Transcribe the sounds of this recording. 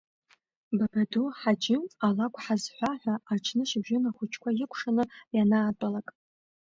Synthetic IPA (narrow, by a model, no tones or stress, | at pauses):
babaduħad͡ʒɪmalakʷʼħazħʷaħʷaːt͡ʃʰnɨʃɪbʒᶣɪnaχʷʊt͡ʃʰkʷʰajɪkʷʰʼʂanɨjanaːtʷʼalakʼ